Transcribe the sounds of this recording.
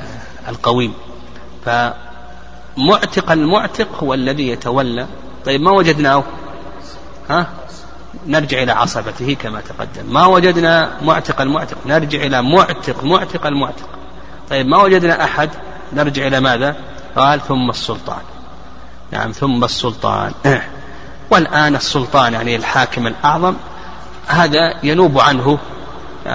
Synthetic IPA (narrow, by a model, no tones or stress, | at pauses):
alqɑwiːm | fa | mʊʕt̪ɪqalmʊʕt̪ɪqhʊwalːaðijat̪awalːa | t̪ˤɑjːɪbmawad͡ʒad̪naː | ha | nɪɾˤd͡ʒɪʕʔɪlaʕɑ̰sˤɑbat̪ɪhikamat̪ḁqɑ̰d̪ːamːawad͡ʒad̪namʊʕt̪ɪqalmʊʕt̪ɪqnɪɾˤd͡ʒɪʕʔɪlamʊʕt̪ɪqmʊʕt̪ɪqalmʊʕt̪ɪ̥q | t̪ˤɑjːɪbmawad͡ʒad̪naʔaħad̪ | nɪɾˤd͡ʒɪʕʔɪlamaːða | qɑːlθʊmːasˤːʊlt̪ˤɑ̰ːn | na̰ʕa̰mθʊmːasːʊlt̪ˤɑ̰ːn | wɪlʔaːnɨsːʊlt̪ˤɑːnjaʕnilħaːkɪmɪlʔɑʕðˤɑm | haːðajanuːbʕanɦʊ